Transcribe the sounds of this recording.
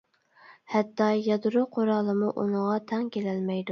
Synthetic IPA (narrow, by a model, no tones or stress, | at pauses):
hɛt̪ːɑjɑd̪ɾuqʰoɾɑːlˠɨmuʔunəʁɑt̪ʰɛŋkʲʰelɛlmɛjd̪u